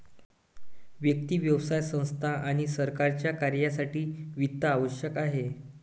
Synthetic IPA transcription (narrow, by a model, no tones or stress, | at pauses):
ʋjək̚t̪iːʋjəʋsajsə̃w̃st̪ʰaʔaɽ̃isəɾkaɾt͡ɕjakaɾjasaʈiːʋit̪ːəːʋəɕjəkaɦe